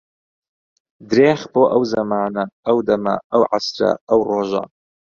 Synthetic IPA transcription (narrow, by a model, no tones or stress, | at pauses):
d̪ɾeːxboːʔɐwzɐmaːnɐɐwd̪ɐmɐ̰ʔɐwʕa̰sɾɐ̰ʔɐwroːʒɐ̰